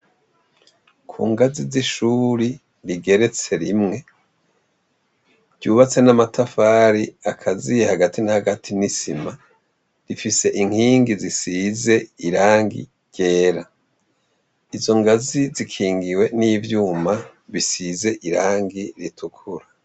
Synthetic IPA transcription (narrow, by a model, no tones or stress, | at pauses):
kʰṵːŋɡaziziʃuɾi | ɾiɡe̞ɾe̞t͡se̞ɾimŋe̞ | ɟ̥uːβat͡se̞namatafaːɾiakʰazijehaɡatʰinahaɡatʰinisima | ɾifise̞ʔiŋ̥hiːŋɡizisize̞iɾaːŋɡḭ | ɟ̥e̞ːɾa | izo̞ŋɡazizikʰiːŋɡiwe̞nivjuːma | βisize̞ʔiɾaːŋɡiɾitʰukʰuɾa